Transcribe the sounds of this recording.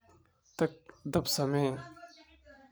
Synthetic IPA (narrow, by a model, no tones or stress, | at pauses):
t̪ɐk̚d̪ɐpsɐmeː